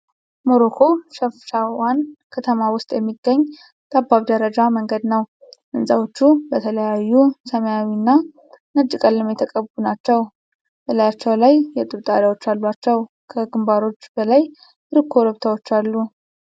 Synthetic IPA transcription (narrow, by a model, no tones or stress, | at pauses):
mo̞ɾokʰo̞ʃəfʃawankʰət̪ʰəmawʊst̪ʼjɛmːiɡːəɲː | t̪ʼabːaβd̪əɾəd͡ʒaməŋɡəd̪nəw | ʔɨnsʼawo̞t͡ʃːubət̪ʰələjajːusəməjawinːa | nəd͡ʒːɨkʼəlːɨmjɛt̪ʰəkʼəβunat͡ʃːɛw | b̥ələjat͡ʃːɛwlajjɛt̪ʼɨβt̪ʼaɾawo̞t͡ʃːalːuat͡ʃːɛw | kʰəɡɨmbaɾo̞t͡ʃːbəlaj | ɾɨkʰːo̞ɾəβt̪ʰawo̞t͡ʃːalːu